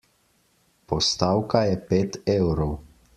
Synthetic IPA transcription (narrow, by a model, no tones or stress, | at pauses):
pɔst̪aːwkajɛpeːt̪ewɾɔw